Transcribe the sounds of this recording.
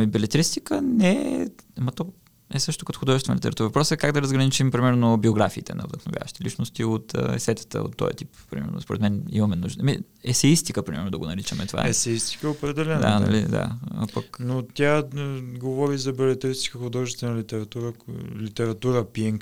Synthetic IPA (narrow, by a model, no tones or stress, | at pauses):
mibɛlɛt̪ɾist̪ikənɛ | mɐt̪ɔ | ɛsɤʃt̪okɐt̪oxʊd̪ɔʒɛst̪vɛnəlʲit̪ɛ̰ɾɐt̪uɾəpɾɔsɛkaɡd̪ɐɾəzɡɾɐnit͡ʃimpɾimɛɾnobioɡɾafiːt̪ɛ̰nɐ̰vd̪ə̰xno̰vja̰vəʃi̥t̪ɛlit͡ʃnost̪iot̪ə̰ɛsɛt̪ʲə̥t̪ə̰o̰t̪ːɔ̰jɛ̰t̪ippɾḭmɛ̰ɾno̰spoɾɛ̰t̪mɛnḭmɐmɛnuʒd̪mḭ | ɛsɛist̪ikəpɾimɛɾnod̪ɐɡonɐɾit͡ʃəmɛ̰t̪ova̰ɛsɛist̪i̥kəɛopɾɛd̪ɛlɛnd̪anɐ̰lḭd̪a̰pɐknot̪ʲjaɡovɔɾizɐbɛlɛt̪ɾist̪i̥kəxʊd̪ɔʒist̪vɛnɐlit̪ɛɾɐt̪uɾəlit̪ɛɾɐt̪uɾəpiɛŋk